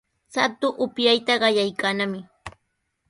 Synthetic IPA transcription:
sat̪ʊʔʊpjajt̪aɢɑjajkaːnamɪ

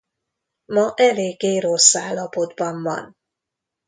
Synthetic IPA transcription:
mɒʔɛleːɡːeːɾosaːlːɒpo̞d̪bɒɱvɒ̰n

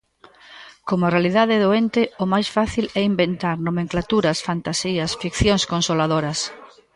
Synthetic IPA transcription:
komʊarealiðaðeɛðoent̪ɪʊmajsfaθilɛimbent̪aɾnomẽŋklat̪uɾɐsfant̪asiɐsfikθjoŋskonsolaðoɾɐs

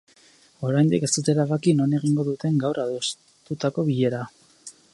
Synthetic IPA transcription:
o̞ɾajnd̪ike̞st̪ut̪e̞ɾaβakino̞ne̞ɣiŋɡo̞ðut̪e̞ŋɡawraðos | t̪ut̪ako̞βiʎe̞ɾa

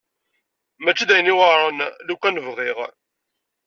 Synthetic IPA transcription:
mæt͡ʃːid̪æjənːiwəɾˤənlukænəvʁiʁ

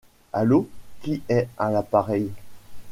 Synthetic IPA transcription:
a̰lokʲiɛãlapaʁɛj

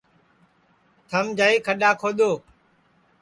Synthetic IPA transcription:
t̪ʰəmd͡ʒaːiːkʰəɗaːkʰoːɗ̪oː

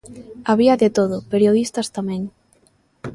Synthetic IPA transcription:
aβiɐðɪt̪oð̞ʊpeɾjoðist̪ɐst̪amɛ̃ŋ

